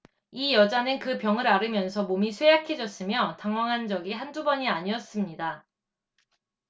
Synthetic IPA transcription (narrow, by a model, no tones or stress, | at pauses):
ijʌd͡ʑanɯnkɯpjʌŋɯɾaɾɯmjʌnsʰʌmomisʰwejakʰe̞d͡ʑʌs͈ɯmjʌtaŋwaŋɦand͡ʑʌɡiɦandubʌɲiaɲiʌs͈ɯmɲida